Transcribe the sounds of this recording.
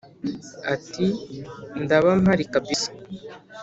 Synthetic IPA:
atindaβamhaɾikabisḁ

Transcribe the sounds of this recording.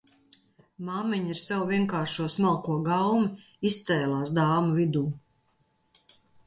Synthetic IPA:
maːmɛɲiɾsɛwviɛŋkaːɾʃuɔsmalˠkuɔɡawmi | ist̪sɛːlˠaːsd̪aːmuvid̪uː

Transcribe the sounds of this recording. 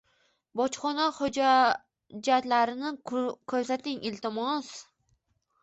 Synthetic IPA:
bɒt͡ʃχɒnahʊd͡ʒ | d͡ʒat̪laɾɪnɪkʲʰɵɾsat̪ɪŋɪlt̪ɪmɒs

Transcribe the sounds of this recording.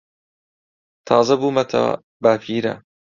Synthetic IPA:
t̪ʰɑːzɐbuːmɐt̪ʰɐ̰ | bafiːɾɐ̰

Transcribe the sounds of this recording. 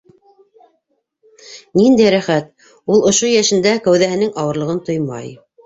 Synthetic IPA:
nind̪æjɾæχæt̪̚ | ulˠŏʃojæʃɘ̆nd̪ækæwðæhɘ̆nɘŋɑwɤ̆ɾlˠɤ̆ʁɤnt̪ojmɑ̰j

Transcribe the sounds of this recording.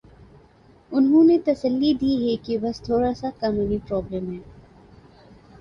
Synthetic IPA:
ʊnɦõnet̪ɐsəlːid̪iːɦɛkebɐst̪ʰoːɾasakaːnuːnipɾɔːblɛːmɦɛː

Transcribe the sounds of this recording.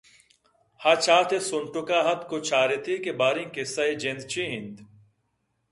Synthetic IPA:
hat͡ʃʰaːt̪ʰesʊɳʈʊkaːɦɐt̪kot͡ʃʰaːɾet̪ʰiːkebaːɾĩŋkesɐed͡ʒẽnd̪t͡ɕʰĩːɦĩnd̪

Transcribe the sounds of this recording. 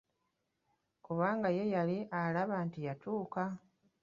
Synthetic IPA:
kuβaːŋɡaje̞jaliʔalaβaːntijatuːka

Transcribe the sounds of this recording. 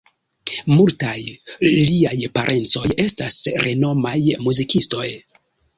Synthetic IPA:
multajliajpaɾʔe̞nt͡so̞je̞stasɾʔe̞no̞majmuzikisto̞j

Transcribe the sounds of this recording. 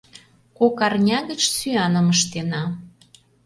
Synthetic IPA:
kokɑrnʲɑɣət͡ɕsyɑnəməʃt̪enɑ

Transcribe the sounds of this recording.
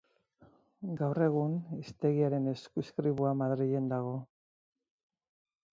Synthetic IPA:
ɡawre̞ɣ̞unist̪e̞ɣiaɾe̞ne̞skuskɾiβuamaðɾiʎe̞nd̪aɣ̞o̞

